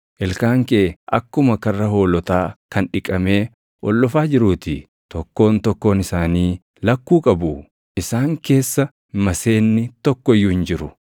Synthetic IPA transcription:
ʔɛlkaːŋkeːʔɐkːʊmɐkɐrːɐɦo̞ːlɔt̪aːkɐnᶑɪkʼɐme̞ː | ʔɔlːɔfaːd͡ʒɪɾuːt̪ɪ | t̪ɔkːo̞ːnt̪ɔkːo̞ːnɪsaːniː | lɐkːuːkʼɐbʊ | ʔɪsaːŋke̞ːsːɐ | mɐse̞ːnːɪt̪ɔkːɔjːʊhɪnd͡ʒɪɾʊ

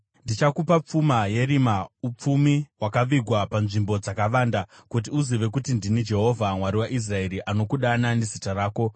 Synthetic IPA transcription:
ndit͡ʃakupap͡fumaje̞ɾimaup͡fumiwakaʋiɡʱwapanʐimbo̞d͡zakaʋaːndakut̬iuziʋe̞kutindinid͡ʒe̞ɦo̞vʱamwaɾiwaʔis̬rae̞ɾiʔano̞kuɗananezitaɾaːko̞

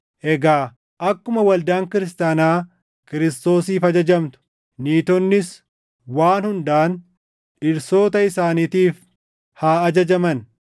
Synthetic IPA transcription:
ʔɛɡaː | ʔɐkːʊmɐwɐld̪aːŋkɪɾɪs̬t̪aːnaː | kɪɾɪst̪o̞ːsiːfɐd͡ʒɐd͡ʒɐmt̪ʊ̥ | niːt̪ɔnːɪs | waːnhʊnd̪ɐʔɐn | ɪɾso̞ːt̪ɐɪsaːniːt̪iːf | haːɐd͡ʒɐd͡ʒɐmɐn

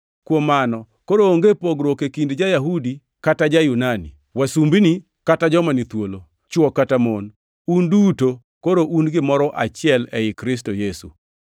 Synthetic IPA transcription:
kwomanɔ | koɾooŋɡepoɡɾwokekindd͡ʒajaɦudi | katad͡ʒajunanḭ | wasumbini | katad͡ʒɔmanit̪wolo | t͡ʃwɔkːatamon | unduto | koɾoʔunɡɪmɔɾɔʔat͡ʃɪɛlɛɪkɾɪs̬tojesṵ

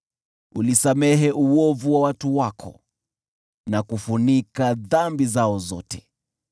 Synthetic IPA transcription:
ṵlisamɛɦɛʔuwɔvuwawatuwakʰɔ̰ | nakufunikaðambizaɔzɔ̰tɛ

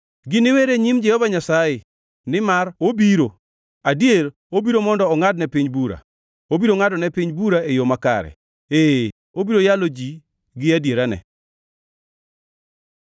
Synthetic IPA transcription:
ɡɪnɪweɾeɲimd͡ʒɛhɔvaɲasajɪ | nɪmarobiɾo | adjeɾ | obiɾomɔndɔːŋadnɛpiɲbuɾa̰ | obiɾoŋadɔnɛpiɲbuɾaejomaka̰ɾɛ̰ | e | obiɾojalod͡ʒi | ɡɪadjeɾanɛ̰

